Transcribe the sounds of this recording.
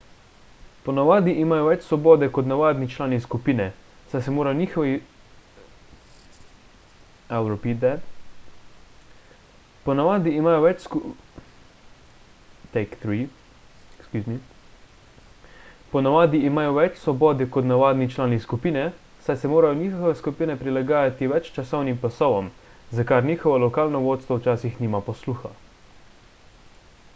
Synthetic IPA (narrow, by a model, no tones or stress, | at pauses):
pɔnaʋaːd̪iʔimaːjɔʋɛt͡ʃsʋɔbɔːd̪ɛkɔt̪naʋaːd̪nit͡ʃlaːniskupiːnɛ | sajsɛmoːɾajɔniːxɔʋi | ɛwɾɔpid̪ɛt̪ | pɔnaʋaːd̪iimaːjɔʋɛt͡ʃsku | t̪ɛɪkθɾi | ɛkskuzni | pɔnaʋaːd̪iːmaːjɔʋɛt͡ʃsʋɔbɔːd̪ikɔt̪naʋaːd̪nit͡ʃlaːniskupiːnɛ | sajsɛmoːɾajɔnʲiːxxɔʋɛskupiːnɛpɾilaɡaːjat̪iʋɛt͡ʃt͡ʃasɔwnimplasɔʋɔm | zakaɾniːxɔʋɔlɔkaːlnɔʋoːt̪st̪ʋɔwt͡ʃaːsixniːmapɔsluːxa